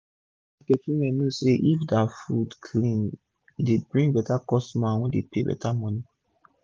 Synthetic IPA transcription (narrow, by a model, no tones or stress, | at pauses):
kɛkĩmɛ̃nĩseʔifdafudkʰlĩn | debɹĩŋɡbɛtakɔstmãwɛ̃depebɛ̰tamɔ̃ni